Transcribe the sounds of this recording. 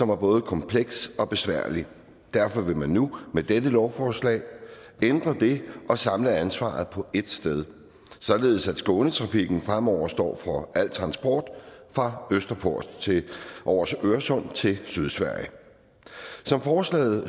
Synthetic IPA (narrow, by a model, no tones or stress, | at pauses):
sɒ̽mæɐb̥ɔ̽ːð̞̩ˠəkʰɒ̽mpʰleɡ̥sɒ̽b̥e̝sʋæɐ̰li | d̥æɐfɒ̽ʋe̝mænːumed̥edəlɒʊfɒːslɛ̰ɪ | end̥ʁɐd̥e̝ʔɒ̽sɑ̈mləænsʋɑ̰̈ð̩ˠpʰɒ̽ʔe̝d̥sd̥eð̞ˠ | sɒ̽nle̝ːðˠsæd̥sɡ̥ɔ̽ːnət͡sʰʁɑ̈fiɡ̥n̩fʁamɒʊ̰ɐsd̥ɒ̰ːfʁɒ̽ʔæl̰d̥t͡sʰʁɑ̈nsb̥ɒ̰ːd̥fʁɑ̈øsd̥ɐpʰo̝ɐ̰st͡sʰeʔɒːsøɐsɔ̽n̰t͡sʰe̝lsyðˠsʋæɐ̰jə | sɒ̽mfɒːslɛ̰ːð̩ˠ